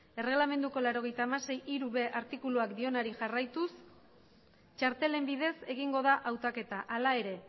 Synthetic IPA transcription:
e̞re̞ɣlame̞nd̪uko̞laɾo̞ɣ̞e̞jt̪aːmase̞jʔiɾuβe̞ʔaɾt̪ikuluakd̪io̞naɾiʝarajt̪us | t͡ʃaɾt̪e̞le̞mbiðe̞se̞ɣiŋɡo̞ðaʔawt̪ake̞t̪aʔalae̞ɾe̞

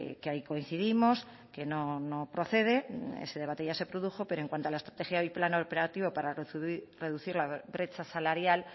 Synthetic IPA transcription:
keaiko̞in̟θiðimo̞s | ke̞no̞no̞pɾo̞θe̞ð̞e̞ḛseðe̞βat̪eʝasepɾo̞ðuxo̞pe̞ɾoeŋkwant̪oalaest̪ɾat̪e̞xjaojplanopeɾat̪iβo̞paɾare̞ðuθiɾlaβɾe̞t͡ʃasalaɾjal

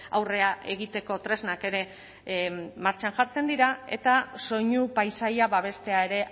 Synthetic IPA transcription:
a̰wre̞aʔe̞ɣ̞it̪e̞ko̞t̪ɾe̞znake̞ɾe̞ | maɾt͡ʃanʝaɾt͡se̞nd̪iɾae̞̰t̪aso̞ɲupajsajaβaβ̞e̞st̪e̞ae̞ɾe̞

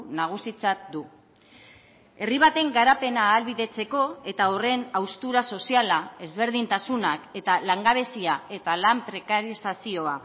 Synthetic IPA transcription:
naɣ̞usit͡sat̚d̪u | e̞riβat̪e̞ŋɡaɾape̞naːlβiðe̞t͡se̞ko̞e̞t̪aore̞nawst̪uɾaso̞sialae̞zβe̞ɾðint̪asunake̞t̪alaŋɡaβ̞e̞siae̞t̪alampɾe̞kaɾisasio̞a

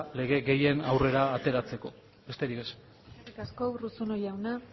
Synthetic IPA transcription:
le̞ɣ̞e̞ɣe̞je̞nawre̞ɾaːt̪e̞ɾat͡se̞ko̞ | be̞st̪e̞ɾikes | ɾikaskowrusono̞jawna

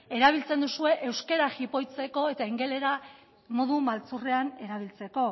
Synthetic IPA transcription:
e̞ɾaβ̞ilt͡se̞nd̪usue̞ʔewskeɾaɣipo̞jt͡se̞ko̞e̞t̪aiŋɡe̞le̞ɾa | mo̞ðumalt͡sure̞ane̞ɾaβ̞ilt͡se̞ko̞

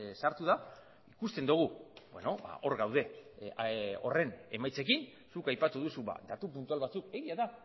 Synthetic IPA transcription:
saɾt̪uða | ikust̪e̞nd̪uɣ̞ube̞no̞ba̰ʔo̞ɾɣawð̞e̞ | o̞̰re̞ne̞majt͡se̞k̬in | sukajpat̪uðusuβa̰d̪at̪upunt̪ualβat͡suke̞ɣiaða

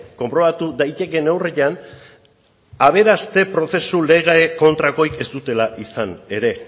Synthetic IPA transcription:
ko̞mpɾo̞βat̪uðajt̪e̞ke̞newreʎan | aβ̞e̞ɾast̪e̞pɾo̞θe̞sule̞ɣaeko̞nt̪ɾako̞ike̞st̪ut̪e̞laʔisane̞ɾe̞

